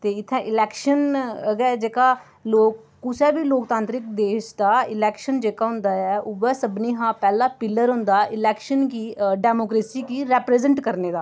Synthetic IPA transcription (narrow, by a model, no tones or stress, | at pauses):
t̪eːɪt̪ʰːɛ̃ːʔɪlɛːkʃənəɡɛːd͡ʒeːkaː | loːkːʊsɛːbiːloːkt̪ãːnt̪ɾɪkd̪eːʃd̪aːɪlɛːkʃənd͡ʒeːkaːɦʊ̃nd̪aːɛːʔʊʋɛːsəbniːɦãːpɛːlaːpɪlːəɾɦʊ̃nd̪aːʔɪlɛːkʃənkiːɖɛːmoːkɾeːsiːkiːɾɛːpɾɛːzəɳʈkəɾneːd̪aː